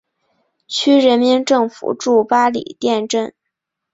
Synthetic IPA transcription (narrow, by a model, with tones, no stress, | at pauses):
t͡ɕʰy˥ɻə˧˥nmi˧˥nʈ͡ʂɤ˥˩ŋfṵ˨˩ʈ͡ʂu˥˩pa˥lḭ˨˩t̪jɛ˥˧nʈ͡ʂə˥˩n